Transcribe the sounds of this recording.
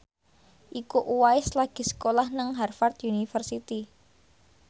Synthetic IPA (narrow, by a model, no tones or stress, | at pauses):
ʔikuʔuwaɪslaɡ̥i̤sə̥kolahnəŋɦarfart̪junifərsit̪i